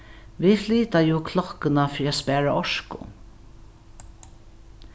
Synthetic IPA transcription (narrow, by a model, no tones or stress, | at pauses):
ʋifliːt̪ajuːkʰlɔhkɪnafɾiaspæːɹaɔʂkʊ̰